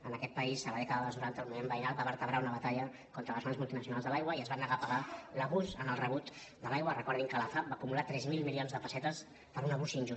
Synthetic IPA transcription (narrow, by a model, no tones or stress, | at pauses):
ənəkɛt̪̚pəisːəβaðɛkəðəðəznuɾant̪əlˠmumembəinalbaβəɾt̪əβɾaunəβət̪aʎə | kɔnt̪ɾələzonəzmulˠt̪inəs̬junalˠzðəlajɣwəiəzβanːəɣapəɣaləβusənəlˠrəβut̪ | d̪əlajɣwərəkɔɾðiŋkəlafap̚bakumulat̪ɾɛzmilˠmilionzðəpəsɛt̪əs | pəɾunəβusinʲʒu